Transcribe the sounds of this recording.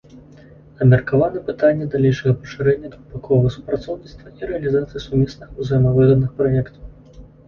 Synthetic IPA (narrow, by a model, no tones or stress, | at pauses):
ɐmʲɛrkavanɛpɨt̪anʲːɛd̪alʲɛjʂɐɣɐpɐ̥ʂɨɾɛnʲːɐd̪ɾupakʰɔvɐɣɐsu̥pɾat̪sɔwnʲit̪st̪vɐiɾɛɐlʲizat̪sɨjisumʲɛsnɨxuzɐjɛmɐvɨɣɐd̪̚nɨxpɾɔjɛkt̪ɐw